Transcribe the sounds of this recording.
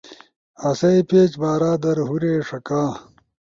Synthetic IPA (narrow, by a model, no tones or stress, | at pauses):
ɐsɐipeːt͡ɕbaːɾaːd̪ɐɾɦuɾeːʂɐkaː